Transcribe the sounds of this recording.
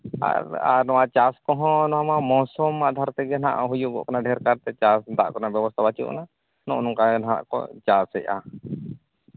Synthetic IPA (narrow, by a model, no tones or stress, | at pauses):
a̰a̰ɾnɔwaʔt͡ʃaskɔɦɔ̃nɔamamɔsɔmːaʔd̪ʱaɾt̪ɛɡɛnaʔa̰ɦujuɡɔ̰ʔkanaɖʱɛɾkaɾt̪ɛt͡ʃasd̪a̰ʔkɔnabjɛbɔst̪ʰabat͡ʃṵʔna | nɔ̰̃ʔnɔŋkanana̰ʔkɔ̰t͡ʃasɛʔa̰